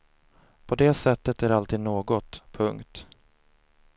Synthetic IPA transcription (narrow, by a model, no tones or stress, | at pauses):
pʰɔd̪eːsɛt̪ːət̪æɾalt̪ʰiːd̪noːɡɔt̪pʰɵŋkt̪